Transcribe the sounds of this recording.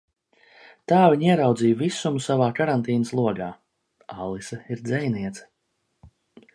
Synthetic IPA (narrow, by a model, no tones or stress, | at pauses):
t̪aːviɲiɛɾawd̪zijvisumsavaːkaɾant̪iːnəslˠuɔɡaː | alˠisɐiɾd̪zɛjniɛt̪sɐ̥